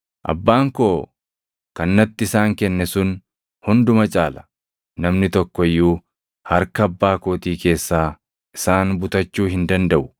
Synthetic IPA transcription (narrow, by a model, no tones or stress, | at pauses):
ʔɐ̰bːaːŋkoː | kɐnːɐt̪ːɪɪsaːŋkɛnːɛsʊn | hʊnd̪ʊmɐt͡ʃʼaːlɐ̥ | nɐmnɪt̪ɔkːɔjːuː | hɐɾkɐɐbːaːkoːt̪iːke̞ːsːaː | ʔɪsaːnbʊt̪ɐt͡ʃːuːhɪnd̪ɐnd̪ɐʔʊ̥